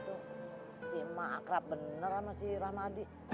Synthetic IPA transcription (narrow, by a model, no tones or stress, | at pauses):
t̪u | simaa̰kɾap̚bənəramasirahmadi